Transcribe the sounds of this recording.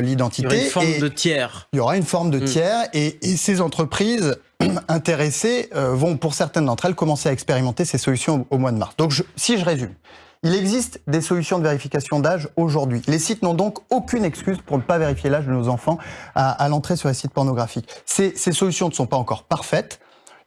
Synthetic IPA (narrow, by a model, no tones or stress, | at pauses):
lid̪ɑ̃t̪ʰit̪efɔmd̪ət̪jɛːʁiljɔʁaynfɔʁmd̪ət̪jɛʁesezɑ̃t̪χəpχiz | ɛ̃t̪eʁeseøvɔ̃puʁsɛʁt̪ɛ̃nd̪ɑ̃t̪χɛlkɔmɑ̃seaɛkspeʁimɑ̃t̪esesɔlysjɔ̃omwad̪əma̰ʁsd̪ɔ̃kʒəsiʒəʁezym | ilɛɡzist̪d̪esɔlysjɔ̃d̪əveʁifikasjɔ̃d̪aʒoʒuʁd̪ɥilesit̪nɔ̃d̪ɔ̃kokʲynɛkskʲyzpuʁnəpaveʁifjelaʒd̪ənozɑ̃fɑ̃aalɑ̃t̪χesyʁlesit̪̚pɔʁnɔɡʁafiksesesɔlysjɔ̃nəsɔ̃paɑ̃kɔʁpaʁfɛt̪